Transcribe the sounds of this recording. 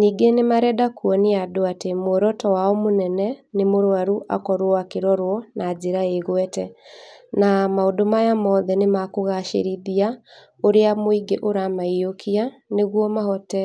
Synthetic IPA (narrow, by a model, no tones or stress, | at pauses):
niːɡenemaɾɛdakwɔneadoatemwɔɾɔtɔwaɔmonɛnɛnemoɾoaɾuʔa̰kɔɾwakeɾɔɾwɔnazeɾaeɣwɛtɛnamaodomajamɔːðɛnemakoɣaʃḛɾiðia | oɾeamoiɡeʔoɾamaiokʰianeɣwɔmaɦɔtɛ